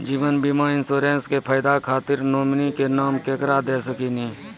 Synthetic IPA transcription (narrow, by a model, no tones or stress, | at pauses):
d͡ʒiːʋənbiːmaːɪnsoːɾẽːnskepʰaːɪd̪akʰaːt̪ɪɾnoːmnikenaːmkeːkɾad̪eːsəkinĩː